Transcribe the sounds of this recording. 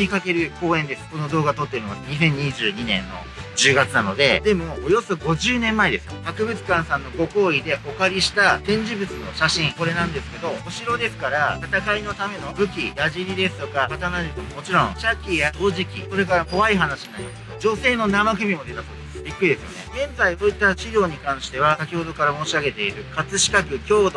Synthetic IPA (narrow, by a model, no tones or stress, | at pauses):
ɲʲikake̞ɾɯ̟ko̞ːẽ̞nd̪e̞sɨ̥ko̞no̞d̪o̞ːɡat̪o̞t̪ːeoiomasɲ̟isẽ̞ɲ̟ːiʑɨːɲ̟inẽ̞̰nːo̞̰ | d͡ʑɨːɡat͡sɨnano̞d̪e̞d̪e̞mo̞ːjo̞so̞ɡo̞ʑɨːnẽ̞mːaed̪e̞sɨjo̰kakɯ̟bɯ̟t͡sɨ̥kãɰ̃sãnːo̞ɡo̞ko̞ːid̪e̞ʔo̞kaɾʲiɕi̥t̪at̪ẽ̞ɲ̟d͡ʑibɯ̟t͡sɨno̞̰ɕaɕĩɴko̞ɾe̞nãnd̪e̞sɨ̥ke̞d̪o̞oɕiɾo̞d̪e̞sɨ̥kaɾat̪at̪akaino̞t̪ame̞no̞bɯ̟kʲijaʑiɾʲid̪e̞sɨ̥t̪o̞kakat̪anaɾʲɯkomomo̞t͡ɕiɾõ̞ŋɕakʲijadoːʑikʲḭso̞ɾe̞kaɾako̞βaiɦanaɕianaɾʲimaskd͡ʑo̞se̞ːno̞namakɯ̟mʲimo̞d̪e̞t̪asoːd̪esɨ̥b̥ʲikːɯ̟ɾid̪e̞sɨjo̞̰ne̞̰ɡ̥ẽ̞nzaiso̞ːit̪ːat͡ɕiɾʲo̞ːɲ̟ikãɰ̃ɕi̥t̪e̞β̞asakʲiho̞d̪o̞kaɾamoːɕiaɡe̞t̪e̞iɾɯ̟kat͡sɨɕi̥kakɯ̟kʲo̞ːd̪o